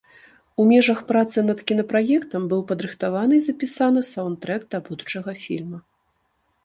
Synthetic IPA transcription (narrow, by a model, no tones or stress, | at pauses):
umʲɛʐɐxpɾat̪sɨnɐt̪kʲin̪ɐpɾajɛkt̪ɐmbɨwpɐd̪ɾɨxt̪avanɨizɐpʲisanɨsawnt̪ɾɛkt̪abud̪ut͡ʂɐɣɐfʲḭlʲmɐ